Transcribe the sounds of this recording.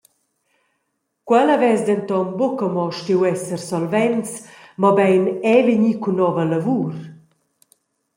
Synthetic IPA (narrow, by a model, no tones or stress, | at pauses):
kwɛlavɛzd̪ɛnt̪ɔnbokəmɔʃtiwɛsərsɔlvɛnt͡smɔbɛjnɛveɲikunɔvəlavuːɾ